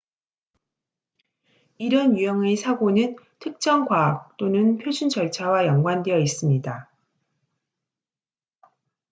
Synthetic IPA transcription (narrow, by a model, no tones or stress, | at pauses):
iɾʌnjujʌŋe̞sʰaɡonɯn | tʰɯk̚t͡ɕ͈ʌŋɡwaːk̚t͈onɯnpʰjod͡ʑʰund͡ʑʌɭt͡ɕʰawajʌŋɡwandejʌis͈ɯmɲida